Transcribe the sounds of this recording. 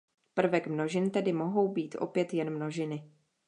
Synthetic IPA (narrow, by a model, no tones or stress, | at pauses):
pr̩vɛkmno̞ʒɪnt̪ɛdɪmo̞ɦo̞wbiːt̪ʔo̞̰pjɛt̪jɛnmno̞ʒɪnɪ